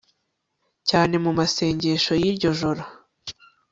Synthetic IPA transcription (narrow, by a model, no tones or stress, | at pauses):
caːne̞mumase̞ːɲɟe̞ːʃo̞jiɾɟo̞ʒo̞ɾo